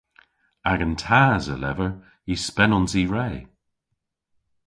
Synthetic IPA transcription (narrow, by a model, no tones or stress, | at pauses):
aɡəntʰaːzə̰lɛ̰vəɹ | ispɛnɔnsiːɹeː